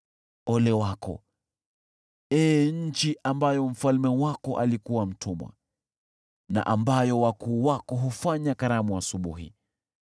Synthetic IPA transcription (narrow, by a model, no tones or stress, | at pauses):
ɔlɛwakɔ̰ | ɛːɲ̩t͡ʃiʔambajɔm̩falmɛwakɔʔa̰likuwam̩tʰumwa̰ | na̰ʔambajɔwakuːwakɔɦufaɲakaɾamuasuɓuɦḭ